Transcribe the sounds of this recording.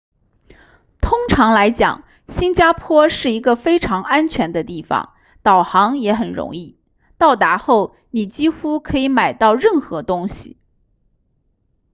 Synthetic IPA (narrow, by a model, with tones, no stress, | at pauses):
t̪ʰʊ˥ŋʈ͡ʂʰɑ˧˥ŋla˧˥ɪt͡ɕjɑ̰˨˩˦ŋ | ɕi˥nt͡ɕja˥pʰwɔ˥ʂɻ̩˥˩i˧˥ɡə˧fe˥ɪʈ͡ʂʰɑ˧˥ŋa˥nt͡ɕʰɥɛ˧˥nd̪ə˧t̪i˥˩fɑ̰˩ŋ | t̪ɑ˨˩ʊxɑ˧˥ŋjɛ˧˥xə˨˩nɻʊ̰˧˥ŋi˥˩ | t̪ɑ˥˩ʊt̪a˧˥xo˥˩ʊ | ni˨˩t͡ɕi˥xu˥kʰɤ˧˥i˧˥ma˨˩ɪt̪ɑ˥˧ʊɻə˥˩nxɤ˧˥t̪ʊ˥ŋɕḭ˨˩